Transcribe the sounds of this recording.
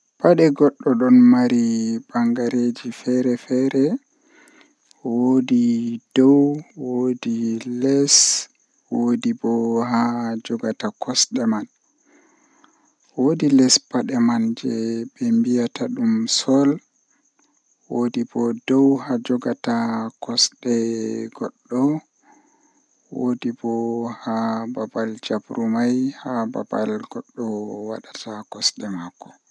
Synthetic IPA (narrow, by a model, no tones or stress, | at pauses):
paɗɛɡɔɗːɔɗɔnmaɾibaŋɡaɾed͡ʒifɛɾɛfɛɾɛ | wodid̥ɔwwodilɛs | wodibɔɦad͡ʒɔɡatakɔsɗɛman | wodilɛspaɗɛmand͡ʒɛbɛmbijataɗumsɔl | wodibɔdɔwhad͡ʒɔɡatakɔsɗɛɡɔɗːɔ | wodibɔhababald͡ʒabɾumajhaba̰ba̰lɡɔɗːɔwaɗatʰakɔsɗɛmakːɔ̥